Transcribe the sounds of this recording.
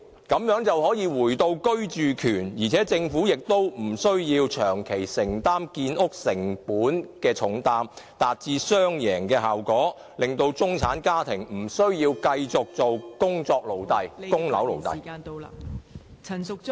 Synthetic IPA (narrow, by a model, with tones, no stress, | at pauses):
kɐ˨˥mjœː˨˥ŋt͡sɐ˨whɔː˨˥jiː˨˧wuː˨˩jt̪o˧wkɵ˥ɥt͡ʃyː˨kʰyː˨˩njiː˨˩t͡sʰɛː˨˥t͡sɪ˧ŋfuː˨˥jɪ˨k̚t̪o˥wm̩˨˩sɵ˥ɥjiː˧wt͡ʃʰœː˨˩ŋkʰe˨˩jsɪ˨˩ŋt̪aː˥mkiː˧nʔʊ˥k̚sɪ˨˩ŋpuː˨˥nkɛː˧t͡ʃʰʊ˨˥ŋt̪aː˧mt̪aː˨t̚t͡siː˧sœː˥ŋjɛː˨˩ŋkɛː˧ɦaː˨wkɔː˨˥ | lɪ˨ŋt̪o˧wt͡sʊ˥ŋt͡sʰaː˨˥nkaː˥t̪ʰɪ˨˩ŋm̩˨˩sɵ˥ɥjiː˧wkɐ˧jt͡sʊ˨k̚t͡so˨wkʊ˥ŋt͡sɔː˧k̚lo˨wt̪ɐ˨jkʊ˥ŋlɐ̰˨˥wlo̰˨wt̪ɐ̰˨˩˧